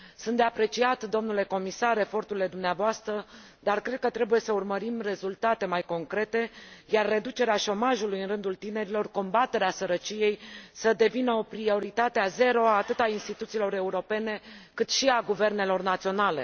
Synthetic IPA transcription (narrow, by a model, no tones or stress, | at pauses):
sunt̪d̪e̞apɾe̞t͡ʃiat̪d̪o̞mnule̞ko̞misaɾe̞fo̞rt̪uɾile̞d̪umneavoast̪ɾə | d̪arkɾe̞d̪̚kət̪ɾe̞buje̞səurməɾimre̞zult̪at̪e̞majko̞ŋkɾe̞t̪e̞jarːe̞d̪ut͡ʃe̞ɾeaʃo̞maʒulujɨnrɨnd̪ult̪ine̞ɾilo̞rko̞mbat̪e̞ɾeasəɾət͡ʃije̞jsəd̪e̞vinəo̞pɾio̞ɾit̪at̪eaze̞ɾo̞aːt̪ɨt̪ainst̪it̪ut̪siːlo̞ɾe̞uɾo̞pe̞ne̞kɨt̪ʃiaɡuve̞rne̞lo̞rnat̪sio̞nale̞̰